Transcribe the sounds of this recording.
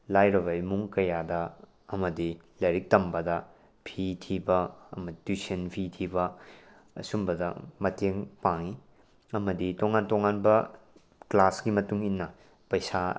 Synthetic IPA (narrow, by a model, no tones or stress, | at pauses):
lajɾɐβɐimuŋkɐjadɐ | ɐmɐdi | lɐɾik̚tɐmbɐdɐ | pʰitʰibɐɐmɐditusenpʰitʰibɐ | ɐ̰sumbɐdɐ̰mɐteŋpaŋi | ɐmɐditoŋantoŋanbɐ | klaskimɐtuŋinːɐ | pɐjsa